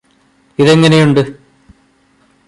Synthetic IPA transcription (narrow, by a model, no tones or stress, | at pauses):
iðe̞ŋːɐnejuɳɖɨ